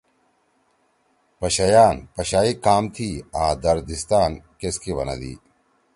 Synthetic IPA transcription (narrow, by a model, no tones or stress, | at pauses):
pɐɕɐjaːnpɐɕaːikaːmt̪ʰiːãːd̪ɐɾd̪ist̪aːnkeskiʋɐ̰nɐ̰d̪ḭː